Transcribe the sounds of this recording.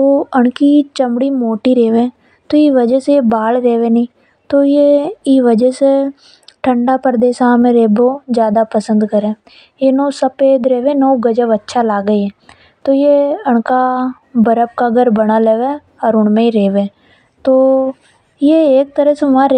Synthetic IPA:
t̪oːəɳkiːt͡ʃəmɽiːmoːʈiːɾeːʋẽː | t̪oːiːʋəd͡ʒəsebaːlɾeːʋeːniː | t̪oːjeiʋəd͡ʒəse | ʈʰəɳɖaːpəɾd̪eːsaːmẽːɾeːboːd͡ʒjaːd̪aːpəsə̃nd̪kəɾẽː | jeːnoːsəpeːd̪ɾeːʋẽːnoːɡəd͡ʒəʋətːʃʰaːlaːɡəiɦɛː | t̪oːjeːəɳkaː | bəɾəp̚kaːɡəɾbəɽ̃aːleːʋeː | ɔːɾʊɳmẽːiɾeːʋẽː | t̪oː | jeːeːk̚t̪əɾəsʋãːɾe

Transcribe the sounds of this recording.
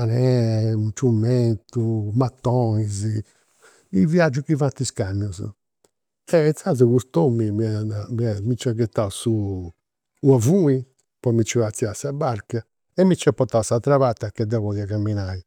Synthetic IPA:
anɛt͡ʃumɛnt̪umat̪ːɔizi | iviad͡ʒːukivat̪iskamjuz̰ | ɛazuɣust̪omimiamiɛmit͡ʃɛkɛt̪ːausu | uavui | pɔmit͡ʃːiat̪sːiasabaɾka | ɛmːit͡ʃːɛpɔt̪awsat̪ɾaβat̪ːakɛd̪ɛβɔðiakamːinai

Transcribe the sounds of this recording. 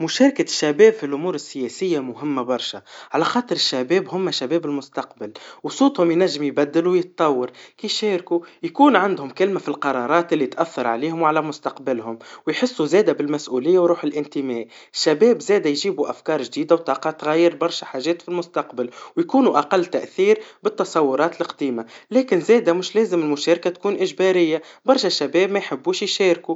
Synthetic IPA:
mʊʃæːɾˤɑkaʃːæbɛːbfilʔʊmuːɾɪsːɪjɛsɪjːamʊɦɪmːabɑɾˤʃaʕalæxɑːt̪ˤəɾɪʃːæbɛːbɦʊmːæʃæbɛːbɪlmʊst̪ɑqbɪlwsˤuːt̪ˤhʊmjnæʒːɪmjbæd̪ːɪluwjət̪̚t̪ˤːɑwːɑɾkiːfʃɛːɾkujkuːnʕand̪hʊmkɪlmafilqɑɾˤɑːɾˤɑːt̪ʔɪlːit̪ʔæθːɑɾˤʕaliːhʊmwʕalæmʊst̪ɑqbɪlhʊmwjħɪsːuzɛːd̪æbɪlmæsʔuːlɪjːawɾuːħɪlʔɪnt̪ɪmɛːʔ | ʃːæbɛːbzɛːd̪æjʒiːbuʔæfkɑːɾˤʒd̪iːd̪awt̪ˤɑːqɑt̪ɣæjːɪɾbɑɾˤʃaħaːʒɛːt̪filmʊst̪ɑqbɪlwjkuːnuʔaqɑlːt̪æʔθiːɾbɪt̪ːɑsˤɑwːʊɾˤɑːt̪ɪlɪqd̪iːmalɛːkɪnzɛːd̪æmɪʃlɛːzɪmɪlmʊʃɛːɾkat̪kuːnʔɪʒbæɾɪjːa | bɑɾˤʃaʃːæbɛːbmæjħɪbːuːʃjʃɛːɾku

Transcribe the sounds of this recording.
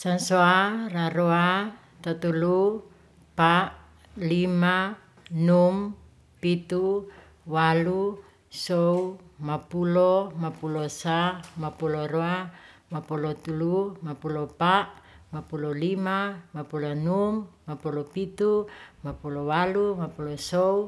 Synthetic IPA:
sansoaraɾoa | t̪at̪ulu | paʔ | lima | num | pit̪u | walu | sɔumapulɔmapulosamapuloɾoamapulɔt̪ulumapulɔpaʔ | mapulɔlimamapulonumːapulɔpit̪umapulowalumapulɔsou

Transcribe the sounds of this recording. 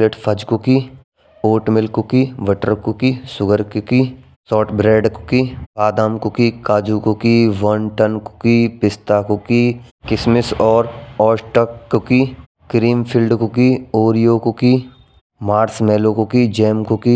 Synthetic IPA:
leʈpʰɐd͡ʒkoki | oːʈmɪlkokiʋɐʈəɾkokisʊɡəɾkki | sɔːʈʰbɾeːɖkkiaːd̪aːmkokikaːd͡ʒuːkokiʋɐnʈənkkipɪst̪akokikɪsmɪsɔːɾɔːsʈəkːoki | kɾiːmpʰɪlɖkokioːɾijoːkoki | maːɾsmɛːlokokid͡ʒɛːmkoki

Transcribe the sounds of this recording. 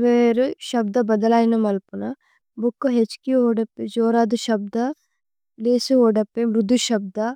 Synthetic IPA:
ʋeɾʃɐb̚d̪ɐbɐd̪ɐlaːinɐmɐlpunɐ | bukːoɦet͡ʃkiɦoːɖɐpːed͡ʒoːɾad̪uʃɐb̚d̪ɐ | leːsiɦoːɖɐpːemɾud̪ːuʃɐb̚d̪ɐ

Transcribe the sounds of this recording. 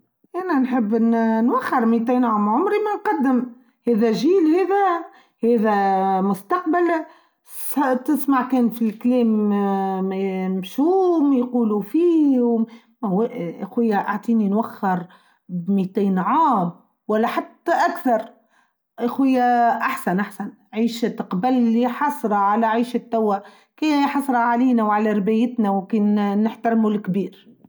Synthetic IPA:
ʔænænħəbːnnwæxːɪɾmit̪iːnʕaːmʕʊmɾimænqɑd̪ːɪm | hɛːðæʒiːlheːðæ | hɛːðæmʊst̪ɑqbal | t̪ɪsmaʕkɛːnfilkleːm | mʃuːmjquːlufiːhʊm | ʔʔa̰xwɪjːaʔaʕt̪ˤiːninwaxːɪɾ | bmit̪iːnʕaːm | wælːæħat̪ːaʔakθɑɾˤ | ʔaxwɪjːaʔaħsanʔaħsan | ʕiːʃt̪qbælːiħɑsˤɾˤɑʕalæʕiːʃɪt̪ːæwːa | kiːħɑsˤɾˤɑʕaliːnæwʕalæɾbæjɪt̪næwkeːnːɪħt̪aɾmulkbiːɾ

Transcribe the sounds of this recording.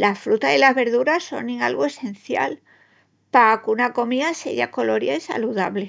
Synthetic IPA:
lasfɾut̪aðelazβe̞ɾðuɾasːo̞̰niŋalɣoe̞se̞nθja̰l | pakunako̞miasḛʝa̰ko̞lo̞ɾjaisa̰luðaβle

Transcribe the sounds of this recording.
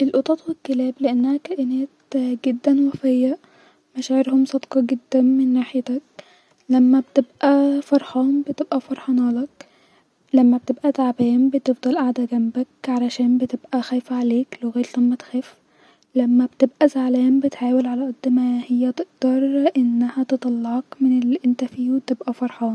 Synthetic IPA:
ʔelʔot̪ˤɑt̪ˤwekːelæːbleʔænːæhækæʔɪnæːt̪ɡed̪ːænwæfejːæ | mæʃæːʕeɾhomsˤɑd̪qɑɡed̪ːæmenːaħjt̪æk̚ | læmːæbet̪ebʔæfɑɾˤħɑːmbet̪ebʔæfɑɾˤħɑnɑːlɑk | læmːæb̚t̪ebʔæt̪aʕbæːnbet̪ebd̪ˤɑlʔaʕd̪æɡæmbækʕalæʃæːnbet̪ebʔæxæːfæʕaleːkloɣæːɾlæmːæt̪xæːf | læmːæbt̪ebʔæzaʕlæːmbet̪ħaːwelʕalæʔɑd̪ːmæhejːæt̪eʔd̪̥ɑɾˤʔenːæhæt̪et̪ˤɑlːɑʕɑkmenelːiʔent̪æfiːwet̪ebʔæfɑɾˤħɑːn

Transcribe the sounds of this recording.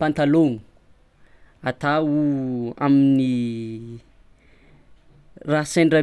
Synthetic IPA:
pant̪aloŋu̥ | at̪aua̰mini | rasaɳɖ͡ʐa

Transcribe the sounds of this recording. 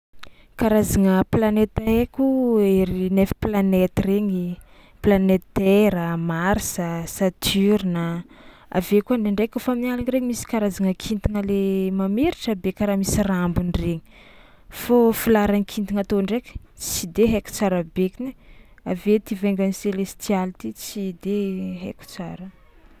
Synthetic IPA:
kaɾazaŋəplanet̪əɦekʲueɾinefi̥planet̪reŋi | planet̪eɾəmaɾisəsat̪ʰyɾinə | a̰vekuaɳdeɳɖ͡ʐekufaminalaŋiɾeɲimisi̥kaɾazaŋəkʰint̪iŋəlemameɾiʈ͡ʂabekʲaɾamisirambunireɲi̥ | fofilaɾanikʰint̪iŋat̪oɳɖ͡ʐeki̥ | t͡sid̪eɦeku̥t͡saɾabekinea̰vet̪iveŋɡaniselest̪ialit̪it͡sid̪eɦḛku̥t͡saɾə

